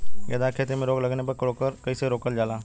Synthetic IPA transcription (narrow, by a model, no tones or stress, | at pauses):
ɡɛ̰ːd̪aːkʰeːt̪emẽɾoːɡlɐɡnepɐɾkɾoːkəɾkɐiseɾoːkəld͡ʒaːlaː